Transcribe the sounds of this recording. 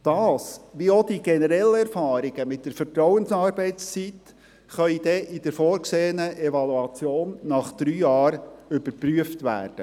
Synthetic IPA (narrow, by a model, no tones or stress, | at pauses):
d̥ɑːsʋiod̥iɡɛnəɾɛlːəɛɾfɑːɾiɡ̥əmɪt̚d̥əɾfəɾtɾɔwənsɑːɾbɛɪt͡st͡sit | χœid̥ɛʔɪd̥əɾfɔːɾkseːənəʔɛvɑluɑt͡sjoːnːɑχd̪̥ɾyːjɑːɾʏbəɾpɾyəftʋæ̰ːrd̥ə